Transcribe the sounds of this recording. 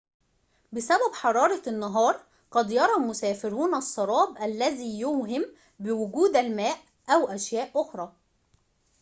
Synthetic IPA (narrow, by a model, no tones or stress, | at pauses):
bɪsæbæbħɑɾˤɑːɾˤɑnːɑɦɑːɾˤ | qɑd̪jɑɾˤɑmʊsæːfɪɾuːnɑsˤːɑɾˤɑːbʔælːæziːjʊːɦɪm | bɪwʊɡuːd̪ælmæːʔ | ʔæwʔæʃjæːʔʔʊxɾˤɑː